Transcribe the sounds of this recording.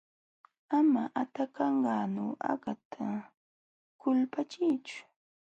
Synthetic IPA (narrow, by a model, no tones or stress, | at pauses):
amaʔat̪akɑɴɢɑːnoa̰ɢat̪ʰa | kʊlpat͡ʃɪjt͡ʃʊ̥